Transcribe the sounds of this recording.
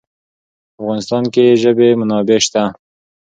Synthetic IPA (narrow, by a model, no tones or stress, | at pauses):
afɣɑnɪst̪ɑnkeʒəbemʊnɑbeʃt̪a